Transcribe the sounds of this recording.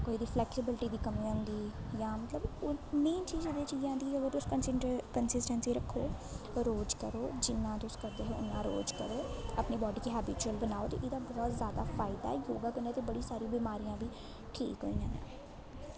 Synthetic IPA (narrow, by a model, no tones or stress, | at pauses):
koːiːd̪iːpʰlɛːksɪbɪlʈiːd̪iːkəmĩːʊ̃nd̪iːjãːmət̪ləbʊnːẽːt͡ʃiːzɪd̪eːt͡ʃiːd͡ʒãːnd̪iːəɡəɾʊskənsɪʈkənsɪsʈənsiːɾəkʰːoː | ɾoːd͡ʒkəɾoːd͡ʒɪnːãːd̪ʊskəɾd̪eːɦoːʊnːãːɾo̰ːd͡ʒkəɾoːapneːbɔːɖiːkiːɦɛːbɪt͡ʃuəlbənaːoːt̪ḛːʔɪd̪aːbɔːt̪zjaːd̪a̰ːfʰaːɪd̪a̰ːjoːɡaːkənaːt̪eːbəɽiːsaːɾĩːbiːmaːɾijãːbiː | ʈʰḭːkɦoːĩːã̰ːã̰ː